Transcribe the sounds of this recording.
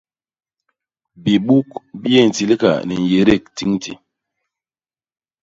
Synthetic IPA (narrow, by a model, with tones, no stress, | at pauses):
bi˨ɓu˦kbje˦˨n̩˨ti˨li˦ka̰˨ni˨n̩˨je˨ɾe˦˨k̚ti˦ŋtḭ˨